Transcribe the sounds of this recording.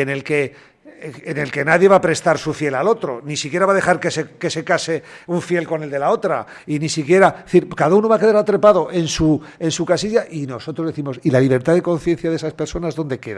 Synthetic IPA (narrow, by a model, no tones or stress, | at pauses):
ene̞lke̞ː | ne̞lke̞naðje̞βapɾe̞st̪aɾsufje̞lalo̞t̪ɾo̞̰nisikje̞ɾaβaðe̞xaɾkeseke̞se̞kase̞uɱfje̞lko̞ne̞ld̪e̞lao̞t̪ɾa̰ | inisikje̞ɾaθiɾkaðaunoβake̞ðaɾat̪ɾe̞paðo̞ʔe̞nsue̞nsukasiʝaʔino̞so̞t̪ɾozðe̞θimo̞silaliβ̞e̞ɾt̪aðe̞ko̞nθje̞n̟θjaðesaspe̞ɾso̞naezðo̞nd̪e̞keða